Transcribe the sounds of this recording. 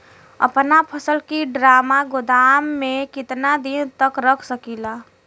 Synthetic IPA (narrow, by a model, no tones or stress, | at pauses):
ə̰pnapʰəsəlkiɖɾaːmaɡʊd̪amːẽkɪt̪nad̪int̪əkɾəkʰsəkila